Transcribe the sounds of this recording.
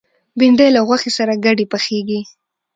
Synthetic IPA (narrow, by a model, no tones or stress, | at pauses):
bɪɳɖajlaɣwaxesaɾaɡaɖepaxeɡi